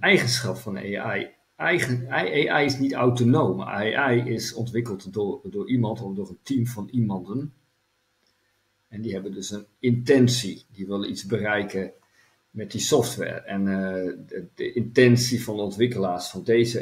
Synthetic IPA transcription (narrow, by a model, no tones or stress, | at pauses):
ɛjɣənsχɑpfɔnḛɛj | ɛjəʔeːʔɛjɪsnitawtonoːmaʔɛjɪsɔ̰ntʋɪkəlˠtddʊːɹimɑntɔfdoʊːrəntʰimfɔnimɑndən | ɛndiɦɛbəndɵsənɪntɛnsidiʋɪlˠizbərɛjkə | mɛt̚disɔftʋɛ̰ːɹɛn | dəʔɪntɛnsifɔnɔntʋɪkəlaːsfɔndeːzə